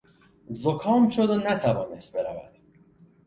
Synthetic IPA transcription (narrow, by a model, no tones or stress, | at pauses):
zokʰɒːmʃod̪onæt̪ʰævɒːnest̪̚be̞ɾævæ̰d̪̥